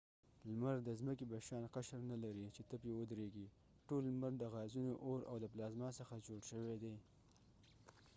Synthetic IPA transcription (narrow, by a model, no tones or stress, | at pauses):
lmaɾd̪əzməkebaʃɑnqaʃɾnalaɾit͡ʃet̪əpjewəd̪ɾeɡi | ʈolmaɾd̪əɣɑzunoʔoɾʔa̰wləplɑzmɑsəxad͡ʒoɽʃəwed̪e